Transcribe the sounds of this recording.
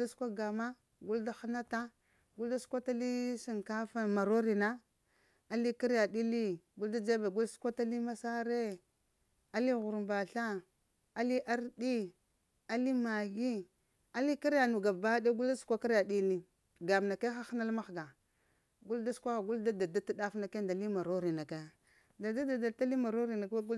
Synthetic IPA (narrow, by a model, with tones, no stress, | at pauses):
da˦su̥˦kʷa˦ɡa˨ma˦ | ɡu˦lda˦xa˦na˦ta˦ | ɡu˦lda˦su̥˦kʷa˦ta˦li˦si˨ŋka˦fa˦ma˨ɾo˦ɾi˨na˦ | a˦li˦ki˦ɾja˨di˦li˦ɡu˦lda˦d͡ʒa˦be˨ɡu˦lsu̥˦kʷa˦ta˦li˦ma˦sa˦ɾe˦ | a˦li˦ɣu˨ɾmba˨ɬa˦ | a˦li˦ʔa˦ɾdi˦ | a˦li˦ma˨ɡi˦ | a˦li˦ki˦ɾa˨nu˨ɡa˨ba˦de˦ɡu˦lda˦su̥˦kʷa˦ka˦ɾa˨di˦li˦ | ɡa˨m˨na˨ka˦xa˦xna˦lma˦xɡa˨ | ɡu˦lda˦skʷa˦xa˨ɡu˦lda˦da˨da˦ta˦da˦fna˨ke˦nda˨li˦ma˨ɾo˦ɾi˨na˨ka˦˨ | da˨da˦da˨da˨ta˦li˦ma˨ɾo˦ɾi˨na˨kɡu˦